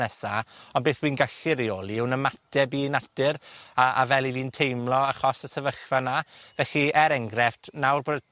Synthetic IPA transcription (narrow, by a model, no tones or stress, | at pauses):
ɛsaɔnbeːθwiːnɡaɬɪɾioːlˠiɪwnəmatɛbiːnatɪɾaʔa̰vɛlˠiviːntʰejmlˠɔaχɔsəsɛvəxvanavɛɬiɛɾɛŋɡrɛftʰnawrboːd